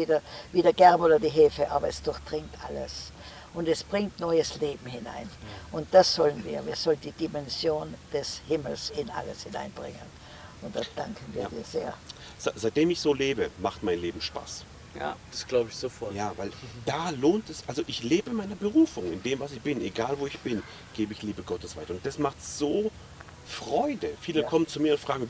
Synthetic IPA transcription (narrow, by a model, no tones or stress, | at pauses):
viːdɐviːdɐɡɛɐboːdɐdiɦeːfəʔaːbɐɛsd̥ʊɐçd̥ʁɪŋtʔaləs | ʔʊntɛsb̥ʁɪŋtnɔʏəsleːbm̩hɪna̰ɪnʔʊnt̚d̥asz̥ɔlənviːɐviːɐz̥ɔləndiːdimɛnzjoːnd̥ɛshɪml̩sɪnʔa̰lə̰shɪna̰ɪnb̥ʁɪ̰ŋə̰n | ʊnt̚d̥asd̥aŋkʰn̩viːɐdḭːɐz̥ḛːɐ | z̥az̥aɪt̚d̥eːmɪçz̥oːleːbəmaχtmaɪnleːbm̩ʃpa̰ːs | ja̰d̥asɡ̥laʊbəɪçz̥ofɔɐjaːvaɪld̥aːloːntɛsʔalzoʔɪçleːbənmaɪnɐbəʁuːfʊŋɪndeːmvasɪçb̥ɪneɡaːlvoːɪçb̥ɪn | ɡ̥eːbəɪçliːbəɡɔtəsv̥aɪtɐʊnt̚d̥asmaχtz̥oː | fʁ̥ɔʏdəfiːləkʰɔmənt͡sumiːɐʊntfʁ̥aːɡŋ̩